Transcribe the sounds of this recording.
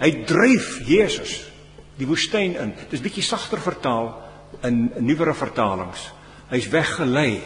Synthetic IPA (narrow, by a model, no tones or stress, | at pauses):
ɦəjdrəjfjeːsəs | divustəjnənd̥əsbikisɐχtərfərtɑːlˠ | ənnːivəɾəfərtɑːlə̰ŋs | ɦəjsvæχːəlɛj